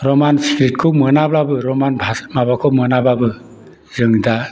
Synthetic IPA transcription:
ɾɔmansikɾit̚kʰɯmɯnablabɯɾɔmanbʱamabakʰɔmɯnababɯ | zɯŋda

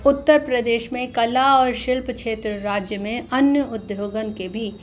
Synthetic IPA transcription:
ʊt̪ːəɾpɾəd̪eːʃmẽkɐlaɔːɾʃɪlpkʃʰeːt̪ɾəɾaːd͡ʒjəmẽɐnjəʊd̪joːɡənkebʱi

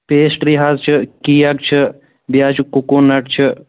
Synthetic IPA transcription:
peːsʈɾiːɦaːzt͡ʃʰɨkijak̚t͡ʃʰə | bjaːt͡ʃʰukukunːɐʈ̚t͡ʃʰə

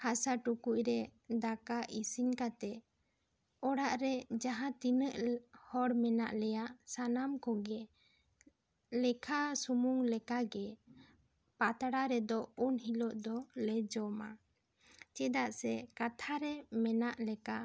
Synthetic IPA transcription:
hasaʈukuc̚ɾɛd̪akaʔisiɲkat̪ɛ | ɔɽaʔɾɛd͡ʒaɦãt̪inəʔhɔɽmɛna̰ʔlɛjaʔsanamkɔɡɛ | lɛkʰasumuŋlɛkaɡɛ | pat̪aɽaɾɛd̪ɔunɦilɔʔd̪ɔlɛd͡ʒɔma | t͡ʃɛd̪aʔsɛkat̪ʰaɾɛmɛnaʔlɛka

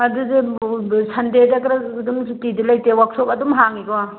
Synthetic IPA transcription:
ɐduzesʰɐndedɐkɾadumtidilajtewak̚sokɐdumɦaŋiɡwa

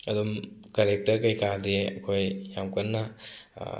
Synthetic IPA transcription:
ɐdumkaɾek̚tɐɾkɐjkadeɐ̰kʰojjamkɐnːɐ

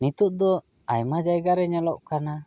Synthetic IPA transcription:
nit̪uʔ̚d̪ɔ | ajmad͡ʒajɡaɾɛɲalɔʔkana

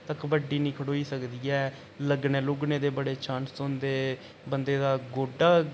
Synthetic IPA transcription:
t̪əkʋəɖiːnĩːkʰəɽoːiːsəkd̪iːɛː | ləɡneːlʊːɡnẽːd̪eːbəɽeːt͡ʃʰãːnsond̪eː | bənd̪eːd̪aːɡoːɖaː

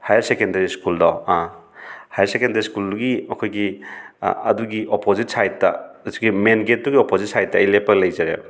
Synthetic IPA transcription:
hajaɾsekendɐɾiskuldɔã | hajaɾsekendaɾiskulduɡimɐkʰojɡi | ɐduɡiʔopozit̚sajt̚tɐ̰ɐtuɡimenɡet̚duɡiopozit̚sajt̚tːɐijlepːɐɡelɐjzaɾḛ

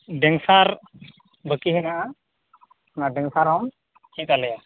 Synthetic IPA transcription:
ɖɛŋsaɾ | bəkiɦinaʔa | naɖɛŋsaɾawn | hĩk̪alɛja

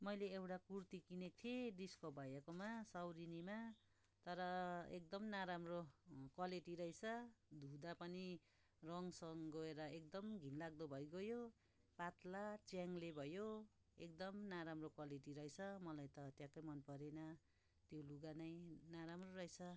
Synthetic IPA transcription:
mʌjleːwʈakurt̪ikinek̚t̪ʰieɖiskobʱajakomasawɾinima | t̪ʌɾʌḛk̚d̪ʌmnaɾamrokwaleʈiɾʌɦjt͡sʰʌd̪ʱud̪apʌni | rʌŋsʌŋɡʌeɾʌek̚d̪ʌmɡʱinlaɡ̚d̪ʌbʱʌjɡʌjo | pat̪lat͡sjaŋlebʱʌjo | ekd̪ʌmnaɾamrokwaleʈiɾʌjt͡sʰʌmʌlajt̪ʌt̪jãkʌjmʌnpʌɾenʌ | t̪joluɡanʌjnaɾamroɾʌjt͡sʰʌ

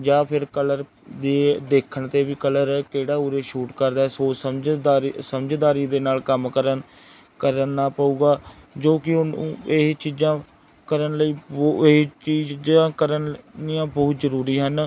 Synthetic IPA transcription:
d͡ʒaːpʰɪɾkələɾ | d̪eːd̪eːkʰəɳt̪eːʋiːkələɾkeːɽaːuːɾeːʃuːʈkəɾd̪aːɛːsoːsəmd͡ʒ̪aːsəmd͡ʒd̪aːɾiːd̪eːnaːlkəmkəɾən | kəɾnːaːpaːuːɡaːd͡ʒoːkɪʊeɦt͡ʃiːzãː | kəɾənləiː | t͡ʃiːd͡ʒãːkəɾənnijãːbɔːt̪zəɾuːɾiːɦən

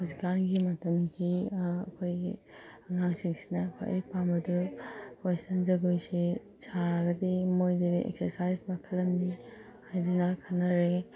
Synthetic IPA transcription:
huzikanɡimɐtɐmkʰiɐ̰kʰoj | ɐŋaŋsiŋsi̥nɐːkʰo̰jɐ̰jpambɐdukestʰɐnzɐɡojsi | sʰaɾɡɐdimojdidiḛk̚sɐɾsajzpakʰɐlːɐmni | hajdunɐkʰɐnːɐɾe

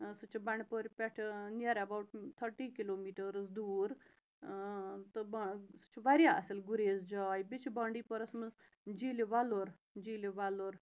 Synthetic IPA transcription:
sut͡ʃibaɳpoɾʲpɛʈʰneɾɐbawʈt̪ʰəɾʈiːkiloːmiːʈəɾsd̪uːɾ | t̪əbsu̥t͡ʃiʋaɾjaɐsilɡuɾeːzd͡ʒaːjbit͡ʃʰibaɳɖiːpəɾɐsmə | d͡ʒiːlʋaloɾ | d͡ʒiːlʋaloɾ

